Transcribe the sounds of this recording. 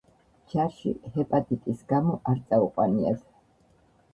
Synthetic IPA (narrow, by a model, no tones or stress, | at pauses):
t͡ʃʰaʃḭhɛpʼat̪ʼit̪ʼisɡamɔʔaɾt̪sʼauqʼwaniɛs